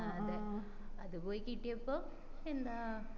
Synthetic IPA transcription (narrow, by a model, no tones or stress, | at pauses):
ɐðɨ | ɐðɨboːjikːiʈːijɐpːoː | end̪aː